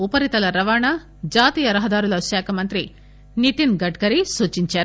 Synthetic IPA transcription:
upɐɾit̪ɐlɐɾɐʋaːɳa | d͡ʒaːt̪iːjɐɾɐɦɐd̪aːɾulɐʃaːkʰɐmɐnt̪ɾi | nit̪inɡɐɖɡɐɾisuːt͡ʃiɲt͡ʃaːɾu

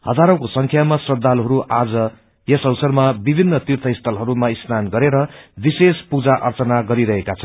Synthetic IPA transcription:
hʌ̰d̪aɾʌ̃wkosʌŋkʰjamasrʌd̪alɦʌɾuʔad͡zʌ | jʌsʌwsʌrmabibʱinːʌt̪irt̪ʰʌjst̪ʰʌlɦʌɾumaisnanɡʌɾeɾʌbisespud͡zaʔʌrt͡sʌnaɡʌɾiɾʌɦekat͡sʰʌn

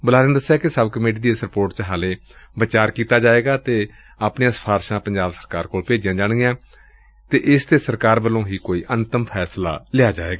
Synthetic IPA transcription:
bʊlaːɾənd̪əsːjaːkɪsəbkəmeːʈ̬iːd̪iesəɾpoːɾʈt͡ʃəɦaːlẽːbət͡ʃaːɾkiːt̪aːd͡ʒaːeːɡaːt̪eː | aːpnejãːsə̥pʰaːɾʃãːpəɲd͡ʒaːbsəɾkaːɾkoːlpeːd͡ʒjãːd͡ʒaːɽ̃ɡjãː | t̪eːʔɪst̪eːsəɾkaːɾbəlõːɦiːkoːiːʔənt̪əmpʰɛːsla̰ːlɪaːd͡ʒaːeːɡaː

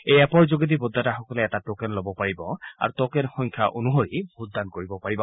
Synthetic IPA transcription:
ejɛpɔɹzoɡed̪̬ibod̪ʱːataxɔkɔlɛɛtatokɛnlobɔpaɹibɔa̰ɹutɔkɛnxɔŋkʰaʔonuɦoɹibʱut̚d̪ankoɹibɔpaɹibɔ

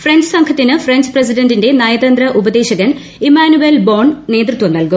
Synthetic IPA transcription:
frɐnd͡ʑɐsɐŋkʰɐt̪ːinɨfreɲd͡ʑprɐs̬idɐndinde̞nɐjɐd̪ɐnd̪rɐʔubɐd̪e̞ːɕɐɣɐn | imaːnuʋelboːɳne̞ːt̪rut̪ʋɐmnɐlku

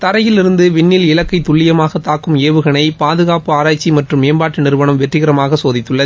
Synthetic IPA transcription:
t̪ɐɾɐjɪlɪɾɯnd̪ɯʋɪɳːɪlɪlɐkːɐɪt̪ːʊɭːɪjɐmaːɣɐt̪aːkːɯmeːʋɯɣɐɳɐɪpaːðɯɣaːpɯaːɾaːt͡ʃːimɐʈrɯmːeːmbaːʈːɯnɪɾʋɐnɐmʋɛʈrɪɣɐɾɐmaːɣɐsoːðɪt̪ːɯɭːɐð

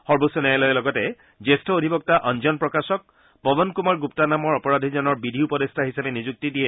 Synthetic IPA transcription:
xɔɹbosunɛɛlɔjɛlɔɡɔtɛ | zestʰɔodʱibɔk̚taʔɔnd͡ʒɔnpɹɔkasɔk̚ | pɔbɔnkumaɹɡup̚tanamɔɹɔpɔɹadʱizɔnɔɹbidʱiupɔdestʰaɦisapɛnizuk̚tidiɛ

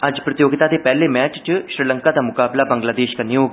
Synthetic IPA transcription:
ɐd͡ʒpɾɐt̪joːɡɪt̪ad̪epɛːlemɛːt͡ʃt͡ʃʃɾiːlə̃ŋkad̪amʊkaːblabə̃ŋɡlaːd̪eːʃkanijoːɡ

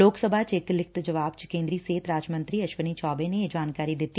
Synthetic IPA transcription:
loːksəbʱaːt͡ʃɪklɪkʰt̪d͡ʒəʋaːbt͡ʃkẽːnd̪ɾiːseːt̪ɾaːd͡ʒmə̃nt̪ɾiːɐʃʋəniːt͡ʃʰɔːbẽned͡ʒaːnkaːɾiːd̪ɪt̪ːi

